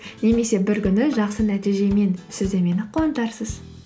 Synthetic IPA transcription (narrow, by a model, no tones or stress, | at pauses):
ne̞me̞se̞bɪɾkʲʏnɪʒɑqsənæt̪ijʒe̞me̞nsɪzd̪e̞me̞nɪqʰoənt̪ɑɾsəz̥